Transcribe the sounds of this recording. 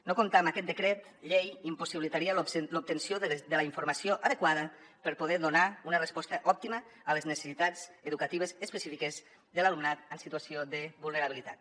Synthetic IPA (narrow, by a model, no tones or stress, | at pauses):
nokumt̪amakɛt̪̚d̪əkɾɛt̪ | ʎejimpusiβilit̪aɾiəlup̚t̪ənsjod̪ələiɱfuɾmasioʔaðəkwaðəpəɾpuð̞ɛðunaunərəspɔst̪əʔɔp̚t̪iməːləznese̥sit̪ad͡zəðukat̪iβ̞əzəspəsifikəz | ðəlalumnat̪ənsit̪uasioðəβulˠnəɾaβilit̪a̰t̪̚